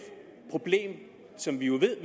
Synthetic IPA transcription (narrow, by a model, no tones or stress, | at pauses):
pʰʁo̝b̥le̝̰ːm | sɒ̽mʋijo̝ʋe̝ð̰ˠʋe